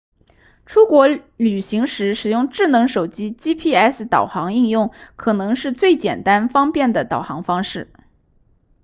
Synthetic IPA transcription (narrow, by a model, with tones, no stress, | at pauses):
ʈ͡ʂʰu˥kwɔ˧˥ly˨˩ɕi˧˥ŋʂɻ̩˧˥ʂɻ̩˨˩jʊ˥˧ŋʈ͡ʂɻ̩˥˩nɤ˧˥ŋʂo˨˩ʊt͡ɕi˥t͡ɕi˥pʰi˥ɛ˥˩s̩˧˩t̪ɑ˨˩ʊxɑ˧˥ŋi˥˧ŋjʊ˥˩ŋkʰɤ˨˩nɤ˧˥ŋʂɻ̩˥˧t͡swe˥˩ɪt͡ɕjɛ˨˩nt̪a˥nfɑ˥ŋpjɛ˥˩nd̪ə˩t̪ɑ˨˩ʊxɑ˧˥ŋfɑ˥ŋʂɻ̩˥˩